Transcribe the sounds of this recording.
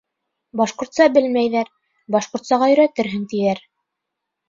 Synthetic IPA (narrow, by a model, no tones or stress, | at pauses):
bɑʃqŏɾt̪sɑbɘlmæjðæɾ | bɑʃqŏɾt̪sɑʁɑjɵ̆ɾæt̪ɘɾɦɘŋt̪ijæɾ